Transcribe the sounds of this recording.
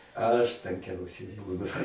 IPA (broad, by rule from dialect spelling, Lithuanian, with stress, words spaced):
ˈɐʃ tɐŋʲˈkʲɛʊsʲɛɪ ˈbuːnʊ